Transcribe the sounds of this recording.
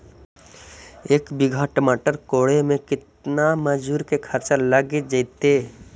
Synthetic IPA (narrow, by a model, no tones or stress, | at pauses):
eːkbɪɡʱaʈəmaʈəɾkoːɽemẽkɪt̪naməd͡ʒuɾkekʰəɾt͡ʃələɡid͡ʒəɪt̪e